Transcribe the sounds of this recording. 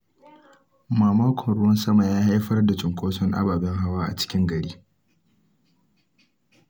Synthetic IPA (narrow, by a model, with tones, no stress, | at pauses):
maː˨maː˦kʷɔ˨nɽʊ˦wɐ˦nsɐ˦ma˨jaː˦ha˦jɸɐ˦rda˨t͡ʃʼɪ˨ŋkʷoː˦sɔ˦ŋʔa̰˦baː˨bɛ˦ŋɦa˦waː˦ʔa̰˨t͡ʃɪ̥˦kʲɪ˦ŋɡɐ˨ɽiː˦